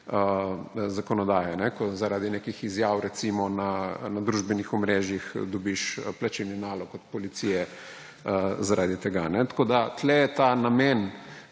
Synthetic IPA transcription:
əzakɔnɔd̪aːjɛnɛkɔzaɾaːd̪inekixizjaːwɾɛtsimɔnanad̪ɾuʒbɛnixɔmɾeːʒjixd̪ɔbiʃplat͡ʃilninaːlɔkɔt̪̚pɔlit̪siːjɛ | əzaɾʔaːd̪it̪ɛɡanɛt̪ḁkoːd̪at̪lɛjɛt̪anamɛn

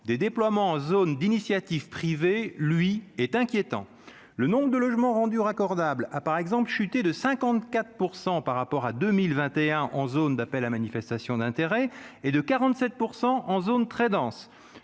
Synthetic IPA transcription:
d̪ed̪eplwamɑ̃ːzond̪inisjat̪ivpχivelɥiɛt̪ɛ̃kʲjet̪ɑ̰̃ | lənɔ̃bʁəd̪əlɔʒmɑ̃ʁɑ̃d̪yʁakɔʁd̪ablapaʁɛɡzɑ̃plʃyt̪ed̪əsɛ̃kɑ̃t̪kat̪χpuʁsɑ̃paʁːapɔʁad̪ømilvɛ̃t̪eɛ̃ʔɑ̃zond̪apɛlamanifɛst̪asjɔ̃d̪ɛ̃t̪eʁɛed̪əkaʁɑ̃t̪sɛt̪̚puʁsɑ̃ʔɑ̃zont̪χɛd̪ɑ̃s

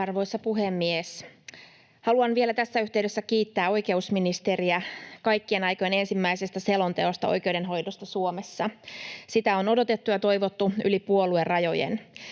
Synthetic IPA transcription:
ɑrʋo̞isːɑpuɦemːies | hɑluɑnʋie̞læt̪æsːæyht̪eɥde̞sːækiːt̪ːæːo̞jke̞usminist̪eriækɑjkːienɑjkojene̞nsimːæisest̪æse̞lo̞nt̪e̞ost̪ɑo̰jk̟e̞ude̞nɦo̞jdost̪ɑsuomesːɑsit̪æo̞no̞do̞t̪e̞t̪ːujɑt̪o̞iʋo̞t̪ːuylipuoluerrɑjo̞jḛn

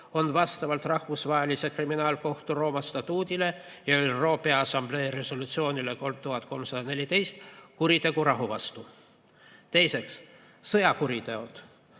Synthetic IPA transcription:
o̞nvɑst̪ɑvɑlt̪rɑhvusvɑelise̞kriminɑːlko̞ht̪uro̞ːmɑst̪ɑt̪uːd̪ʲile̞ | jɑolʲro̞ːpeɑɑsɑmb̥le̞ːɾe̞so̞lut̪sio̞ːnileko̞lmt̪uɦɑt̪̚ːˑko̞lmsɑd̪̥ɑne̞lʲit̪e̞jst̪kuɾit̪e̞ɡuɾɑɦuvɑst̪u | t̪e̞jse̞ks | sɤjɑkuɾit̪e̞ot̪

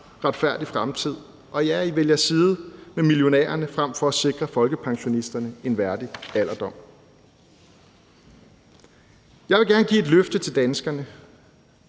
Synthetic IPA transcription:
ʁɑ̈d̥fæɐ̰d̥ifʁamt͡sʰið̞̰ˠ | ʔɒ̽jæɐiʋeljɐsiːð̞̩ˠmemiljo̝nḛːɐnəfʁam̰fɒ̽æse̝ɡ̥ʁɐfɒ̽lɡ̥əpʰɑ̈ŋɕo̝nisd̥ɐnəe̝nʋæɐd̥iæl̰ɐd̥ɒ̽m̰ | jɑ̈ɪʋe̝ɡ̥æɐnəɡ̥ḭːe̝d̥løfd̥ət͡sʰe̝ld̥ænsɡ̥ɐnə

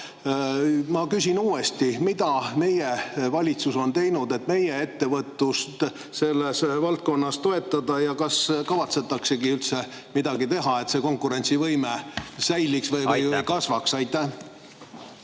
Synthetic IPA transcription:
mɑkysʲinuːe̞st̪imid̪̥ɑme̞jevɑlʲit̪suso̞nt̪e̞jnud̪e̞t̪ːˑme̞jee̞t̪ːe̞vɤt̪ːˑust̪ | se̞lːesvɑlt̪̚ko̞nːɑst̪o̞e̞t̪ˑːɑd̪ɑjɑkɑskɑvɑt̪se̞t̪ːˑɑkse̞ɡiylt̪se̞ | mid̪ɑɡit̪e̞ɦɑe̞t̪se̞ko̞ŋkuɾe̞nʲt̪sivɤjmesæjliksvɤjvɤjvɤjkɑsvɑksɑjt̪ːˑæ

